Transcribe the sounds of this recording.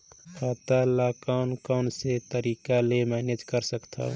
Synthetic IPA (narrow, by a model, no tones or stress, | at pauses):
aːt̪alakaʊnkaʊnset̪əɾiːkalemɛːned͡ʒkəɾsəkt̪ʰa̰